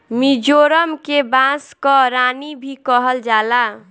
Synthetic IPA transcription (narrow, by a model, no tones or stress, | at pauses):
mid͡ʒoɾəmkebãskɔɾanibʱikəɦəld͡ʒala